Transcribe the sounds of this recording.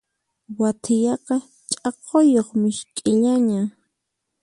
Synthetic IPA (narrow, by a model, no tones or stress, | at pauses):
wat̪ʰɪjɑqɑ | t͡ʃʼɑqʰojoχmɪʃkʼɪʎaɲa